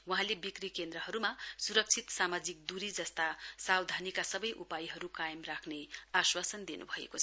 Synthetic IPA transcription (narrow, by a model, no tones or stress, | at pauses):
waɦãlebikrikend̪ɾʌɦʌɾumasuɾʌk̚t͡sʰit̪samad͡zik̚d̪uɾid͡zʌst̪asawd̪ʱanikasʌbʌjʔupajiɦʌɾukajʌmrakʰneaswasʌnd̪inṵbʱʌḛkot͡sʰʌ